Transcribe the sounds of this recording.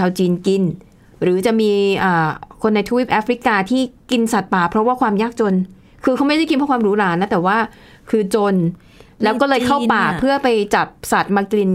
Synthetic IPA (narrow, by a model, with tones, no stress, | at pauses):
aː˧wt͡ɕiː˧nki˧n | ɾɯː˩˦t͡ɕa˨˩ʔmiː˧ʔaː˨˩kʰo˧nːa˧jt̪ʰu˧wi˦˥˩p̚ʔaː˦˥fʰɾi˦˥kaː˧t̪ʰiː˥˩ki˧nsa˨˩t̪̚paː˨˩pʰɾɔ˦˥waː˥˩kʰwaː˧mjaː˥˩k̚t͡ɕo˧n | kʰɯː˧kʰa˦˥wma˥˩jda˥˩ki˧npʰa˥˩kwaː˧mɾuː˦˥ɾaː˦˥nːa˦˥t̪ɛː˨˩waː˥˩ | kʰɯː˧t͡ɕo˧n | lɛ˦˥kɔː˥˩lɤː˧jkʰa˥˩paː˨˩pʰɯ˥˩ɐpa˧jt͡ɕa˨˩p̚sa˨˩t̪̚maː˧kli˧n